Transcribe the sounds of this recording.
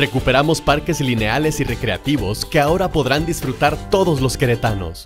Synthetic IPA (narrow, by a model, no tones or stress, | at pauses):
re̞kupe̞ɾamo̞spaɾke̞zline̞ale̞sire̞kɾe̞a̰t̪iβo̞ske̞ao̞ɾapo̞ðɾand̪isfɾut̪aɾt̪o̞ðo̞zlo̞ske̞ɾe̞t̪ano̞̰s